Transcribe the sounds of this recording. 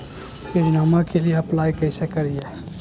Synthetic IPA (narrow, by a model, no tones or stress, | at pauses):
ped͡ʒnamakelijeəplajkəɪsekəɾije